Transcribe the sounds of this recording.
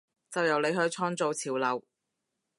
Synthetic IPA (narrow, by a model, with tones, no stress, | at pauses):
t͡sɐ˨wjɐ˨˩wle˨˧jɦɵ˨˧ɥt͡sʰɔː˥ŋt͡so˨˧wt͡sʰiː˨˩wlɐ˨w